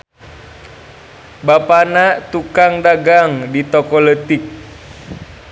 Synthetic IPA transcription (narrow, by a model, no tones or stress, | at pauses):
bapanat̪ukaŋdaɡaŋdit̪ɔkɔlət̪ik̚